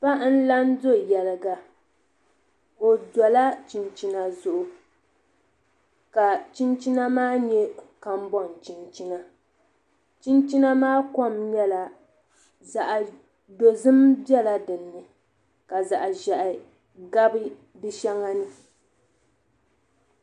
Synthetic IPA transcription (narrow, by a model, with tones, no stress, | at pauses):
pa˦n̩˦la˦n˦do˦jɛ˨lɨ˨ɡa˨ | o˨dɔ˨la˦t͡ʃi˨nt͡ʃi˦na˨zʊ˦ʔʊ˨ | ka˨t͡ʃi˦nt͡ʃi˦na˦maː˦ɲɛ˦ka˨m˦bɔ˦˨n˨t͡ʃi˦nt͡ʃi˦na˨ | t͡ʃi˦nt͡ʃi˦na˦maː˦kɔ˦˨mɲɛ˦la˨ | za˨ʔ | do˨zɨ˦mbɛ˦la˦dɨ˨nːɨ˨ | ka˨za˨ʔʒɛ˨ʔɪ˨ | ɡa˦bɨ˦ | bɨ˦ʃɛ˦ŋa˦nɨ˦